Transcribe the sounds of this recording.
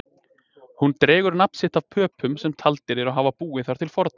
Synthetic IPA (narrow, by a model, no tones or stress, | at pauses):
hunt̪ɾeːɣʏɾnapn̥sɪht̪av̥pʰœːpʰʏmsɛmt̪ʰalt̪ɪɾɛɾaɦaːvapuːɪθaɾ̥t̪ʰɪlfɔɾt̪̚n